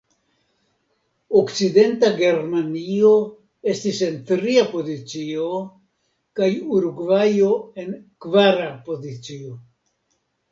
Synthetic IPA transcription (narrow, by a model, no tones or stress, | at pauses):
o̞kt͡side̞ntaɡe̞ɾmanio̞ | e̞stise̞ntɾiapo̞zit͡sio̞ | kajuɾuɡvajo̞e̞nkvaɾapo̞zit͡sio̞